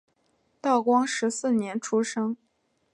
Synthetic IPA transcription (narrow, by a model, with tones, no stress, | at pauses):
t̪ɑ˥˩ʊkwɑ˥ŋʂɻ̩˧˥sɹ̩˥˩njɛ˧˥nʈ͡ʂʰu˥ʂɤ˥ŋ